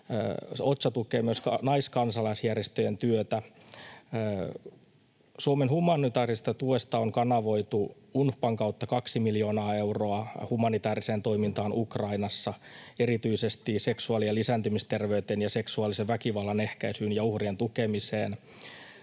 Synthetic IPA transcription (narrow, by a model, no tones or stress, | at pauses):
ot̪sɑt̪ukeːmyøsknɑiskɑnsɑlɑisjærjest̪øjent̪yøt̪æ | suomenhumɑnit̪ɑːrist̪ɑt̪uest̪ɑoŋkɑnɑʋo̞it̪u | unhpɑŋkɑwt̪ːɑkɑksimiljo̞ːnɑːe̞wro̞ɑhumɑnit̪æːriseːnt̪o̞imint̪ɑːnukrɑinɑsːɑeɾit̪yisest̪ise̞ksuɑlielisænt̪ymist̪e̞rʋeyt̪enjɑse̞ksuɑlːˑiseʋʋækiʋɑlːɑne̞hkæisyːnjɑuhrient̪ukemisḛːn